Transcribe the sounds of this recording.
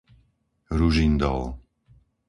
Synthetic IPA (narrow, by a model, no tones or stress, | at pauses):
ɾuʒind̪ɔ̰l